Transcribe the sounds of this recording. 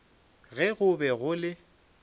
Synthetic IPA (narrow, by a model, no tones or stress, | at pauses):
ɣɛɣʊbɛɣʊlɪ